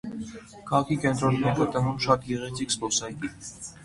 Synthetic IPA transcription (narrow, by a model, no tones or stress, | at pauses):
kʰɑʁɑkʰikɛnt̪ɾɔnːɛɾut̪əvumʃɑt̪ɡɛʁɛt͡sʰikspɔsɑjɡi